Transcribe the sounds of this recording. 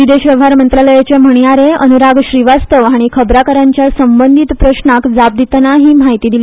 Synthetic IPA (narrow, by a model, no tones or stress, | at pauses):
ʋid̪eɕʋjəʋɦaɾmənt̪ɾələjat͡ɕem̤əɽ̃ijaɾeənuɾaɡɕɾiʋast̪əʋɦaɽ̃ikʰəbɾakəɾaɲt͡ɕjasəmbənd̪ʱit̪pɾəɕnakd͡zap̚d̪it̪naɦiːmaɦit̪iːd̪ili